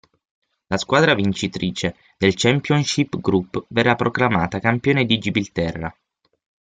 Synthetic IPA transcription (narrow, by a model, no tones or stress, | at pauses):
laskwaːd̪ɾavint͡ʃit̪ɾiːt͡ʃe | d̪̥elt͡ʃɛmpjɔnʃipːɡɾupːverːapːɾoklama̰ːt̪akampjoːned̪id͡ʒibilt̪ɛrːa̰